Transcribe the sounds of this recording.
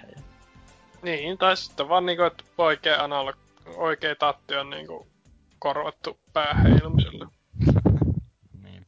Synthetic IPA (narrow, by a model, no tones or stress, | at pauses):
niːnt̪ɑˑissi̥t̪ːeʋɑːnniːŋkuet̪oˑikeːɑˑnɑolːɑk | oˑikeːt̪ɑrt̪ːiɑnnḭːŋkṵ | korʋɑt̪ːupæːhḛˑinumsḭlːɑ